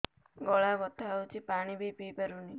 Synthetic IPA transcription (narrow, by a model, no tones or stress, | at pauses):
ɡɔɭabɔt̪ʰawt͡ʃʰipaɽ̃ibipipəɾuni